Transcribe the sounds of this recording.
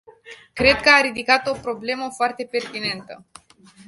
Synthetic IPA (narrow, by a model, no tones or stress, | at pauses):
kɾe̞d̪kəaɾid̪ikat̪o̞pɾo̞ble̞məfoart̪e̞pe̞rt̪ine̞nt̪ə